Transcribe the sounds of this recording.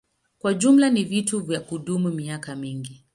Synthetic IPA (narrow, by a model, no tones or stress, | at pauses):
kwaʄumlanivituvjakuɗumumiakamiŋɡi